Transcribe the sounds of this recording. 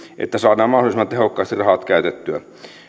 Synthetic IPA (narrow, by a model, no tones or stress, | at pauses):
ʔḛt̪ːæsɑːnˑɑːmmɑhdolisemːɑt̪ehokːɑˑːst̪irɑhɑt̪kæyt̪et̪ːyæ̰